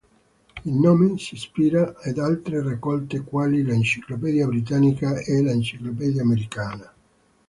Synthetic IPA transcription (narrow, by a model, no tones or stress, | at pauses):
ilnoːmesispiːɾaed̪alt̪ɾerakːɔlt̪ekwaːlilaint͡ʃiklopɛːd̪iabɾit̪anikaelaint͡ʃiklopɛːd̪iaːmeɾikaːna